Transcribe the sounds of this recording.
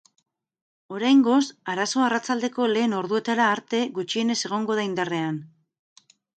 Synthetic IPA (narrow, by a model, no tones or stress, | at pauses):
o̞ɾajŋɡo̞saɾaso̞arat͡sald̪e̞ko̞le̞ːno̞ɾðue̞t̪aɾaːɾt̪e̞ɣut͡ʃie̞ne̞se̞ɣ̞o̞ŋɡo̞ðaind̪are̞an